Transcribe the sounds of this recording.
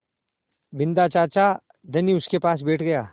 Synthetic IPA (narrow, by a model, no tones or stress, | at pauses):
bɪ̃nd̪at͡ʃaːt͡ʃa | d̪ʱɐniʊskepaːs̬beːʈʰɡɐjaː